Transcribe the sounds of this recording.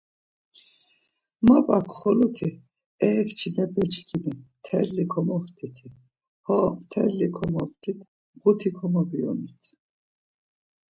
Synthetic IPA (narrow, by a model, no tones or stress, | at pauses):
mapʼakʰχɔlut̪ʰi | ɛːkʰt͡ʃʰinɛpɛt͡ʃʰkʰimit̪ʰɛlikʰɔmɔχt̪ʰit̪ʰi | hɔːmt̪ʰɛ̰ɾlikʰɔmɔpt̪ʰit̪ʰ | ʁut̪ʰikʰɔmɔbiɔ̰nit̪ʰ